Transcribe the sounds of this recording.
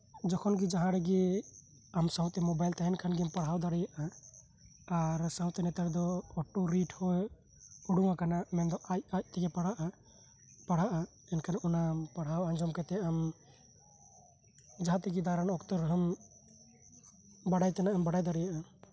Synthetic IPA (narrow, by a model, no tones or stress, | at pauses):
d͡ʒɔkʰɔnɡid͡ʒaɦãɾɛɡɛ | amsawt̪ɛmɔbajlt̪aɦɛnkʰanɡimpaɽ̤awd̪aɽɛjaʔa | aɾsawt̪ɛnɛt̪aɾd̪ɔːʈːuɾiʈʰhɔ | uɽuŋakanamɛnd̪ɔʔajaj̚t̪ɛɡɛpaɽaʔa | paɽ̤aʔa | ɛnkʰanaʔunapaɽ̤awand͡ʒɔmkɛt̪ɛam | d͡ʒaɦãt̪ɛɡid̪aɾanɔkt̪ɔɾɦəm | baɽajt̪ɛnaʔambaɽajd̪aɽɛjaʔa